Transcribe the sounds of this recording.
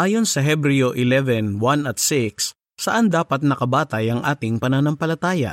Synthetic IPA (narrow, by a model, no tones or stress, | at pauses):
ʔaːjo̞nsɐɦɛbɾɪjoʔɪlɛvɛnwɐnɐt̪sɪksː | ɐʔɐnd̪aːpɐt̪̚nɐkɐbaːt̪ɐjɐŋʔaːt̪ɪŋpɐnanɐmpɐlɐt̪aːjɐ̰ʔ